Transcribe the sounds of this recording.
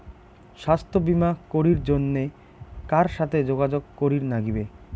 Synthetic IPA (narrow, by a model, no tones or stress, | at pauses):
ʃast̪ʰobimakoɾiɾd͡ʑonːe | kaɾʃat̪ʰed͡ʑoɡad͡ʑoɡ̚koɾiɾnaɡibe